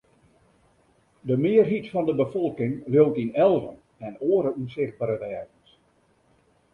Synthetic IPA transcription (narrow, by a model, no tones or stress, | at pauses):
dəmɪərɦitfɔndəbəfɔlˠkɪŋljowtinɛlˠvə̰n | ɛnoəɾəunsɪxt̚baɾəʋɛːrzəns